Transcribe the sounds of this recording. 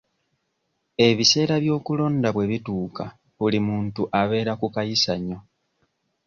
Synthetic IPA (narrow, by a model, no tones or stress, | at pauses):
e̞βise̞ːɾaβjo̞ːkulo̞ːndaβwe̞βituːka | βulimuːntuʔaβe̞ːɾakukajisaɲo̞